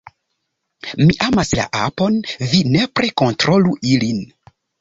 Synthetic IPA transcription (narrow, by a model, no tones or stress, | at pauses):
miʔamasla̰ʔa̰po̞nvine̞pɾe̞ko̞ntɾo̞luʔilin